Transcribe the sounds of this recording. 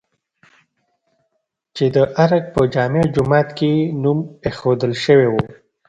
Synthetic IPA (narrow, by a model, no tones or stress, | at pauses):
t͡ʃed̪əʔaɾaɡ̚pəd͡ʒɑmed͡ʒʊmɑt̪kenumexod̪əlʃəwewu